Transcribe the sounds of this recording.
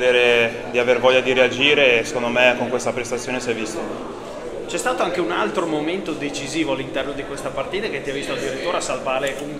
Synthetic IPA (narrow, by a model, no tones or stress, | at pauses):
d̪eːɾe | d̪iavervɔʎːad̪iɾead͡ʒiːɾese̥kond̪omekːoŋkwest̪apɾest̪at̪sːjoːnesɛjvist̪o | t͡ʃɛst̪aːt̪oaŋkeunalt̪ɾomoment̪od̪et͡ʃiziːvoalːint̪ɛrnod̪ikwest̪apart̪iːt̪aket̪ːiavist̪oald̪iɾit̪ːuːɾeasalvaːɾeʔun